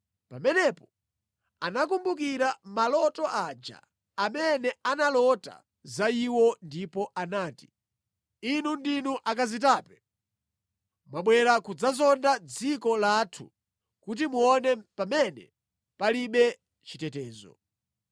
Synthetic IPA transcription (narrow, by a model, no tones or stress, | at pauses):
pamɛnɛpɔ | anakumbukiɾamalɔtɔʔad͡ʒa̰ː | mɛnɛanalɔta̰ | zaiwɔndipɔʔanaːti̥ | inundinuʔakazitaːpɛ | mwaɓwɛɾakud͡zazɔndad͡zikɔlaːtʰṵ | kut̬imuɔnɛpamɛnɛ | paliɓɛ | t͡ʃitɛtɛːzɔ̰